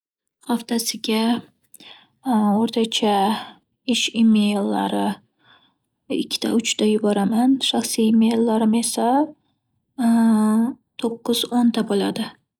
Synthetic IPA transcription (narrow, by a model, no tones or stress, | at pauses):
χaft̪ʰasɪɡʲa | oɾt̪ʰat͡ʃʰa | ɪʃɪmejlːa̰ɾɪ | ɪ̰kʲʰːɪ̥t̪ʰa̰ʊt͡ʃt̪ʰajʊbɒɾamanʃaχsiːmejlːaɾɪme̞sa | t̪ʰoqːɨz̥ont̪ʰabolad̪ɪ